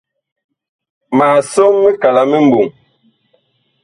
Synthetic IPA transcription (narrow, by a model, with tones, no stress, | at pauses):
maː˨so˦ŋːe˦ka˨la˨me˦m˦bu˨ŋ